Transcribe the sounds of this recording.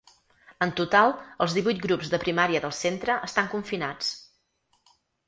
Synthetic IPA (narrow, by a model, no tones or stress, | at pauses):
ənt̪ut̪alˠəlˠzðiβujt̪̚ɡɾupzðəpɾimaɾiəðəlˠsent̪ɾəʔəst̪aŋkuɱfinat͡s